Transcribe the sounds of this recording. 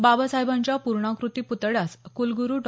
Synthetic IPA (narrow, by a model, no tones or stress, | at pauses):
babəsajbaɲt͡ɕjapuɾɳãkɾut̪iːput̪ɭjaskulɡuɾuːʈ